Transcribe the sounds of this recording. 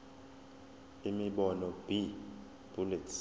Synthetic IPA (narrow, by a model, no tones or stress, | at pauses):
imiɓɔnɔb̥i | b̥ulitʰ